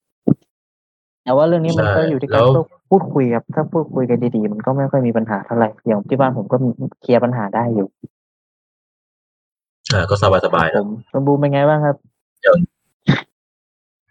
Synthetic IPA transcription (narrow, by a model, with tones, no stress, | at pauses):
t̪ɛː˨˧˦waː˥˧lɯ˥˩əŋniː˦˥˩ma˧nɔː˥˩ju˨t̪ʰi˥˨ka˧˦˥ɔ˥˩ | pʰuː˥˩t̪̚kʰu˧jkʰa˦˥p̚t̪ʰaː˥˩pʰuː˥˩t̪̚kʰu˧jka˧ndiː˧diː˧ma˧nkɔː˥˩ma˥˩jkxʰɔ˥˩jmiː˧pa˧nɦaː˩˦t̪ʰa˥˩wla˧˩jjaː˨˩ŋpa˧˩t̪ʰi˧˩baː˧npʰo˨˩˦mkɔː˥˩m˧kʰi˧ɐpa˧nɦaː˩˦daː˥˩jːuː˨˩ | ʔaː˧˩kɔː˥˩sa˧baː˧˩t̪̚sa˧ba̰ː˧jo˩˦mso˧˦buː˧ma˧jŋaː˧jbaː˥˩ŋkʰa˦˥p̚